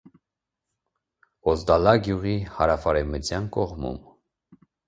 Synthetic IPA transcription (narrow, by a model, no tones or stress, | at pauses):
ɔzd̪ɑlɑɡjuʁihɑɾɑfɑɾɛmət͡sʰjɑnkɔʁmṵm